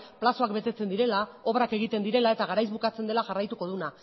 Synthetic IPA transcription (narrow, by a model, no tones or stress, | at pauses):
plaso̞akbe̞t̪e̞t͡se̞nd̪iɾe̞lao̞βɾake̞ɣ̞it̪e̞nd̪iɾe̞lae̞t̪aɣ̞aɾajzβukat͡se̞nd̪e̞laʝarajt̪uko̞ð̞una